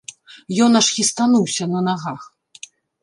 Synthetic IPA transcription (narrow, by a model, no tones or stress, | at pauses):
jɔnɐʂxʲist̪anuwsʲɐnɐnaɣax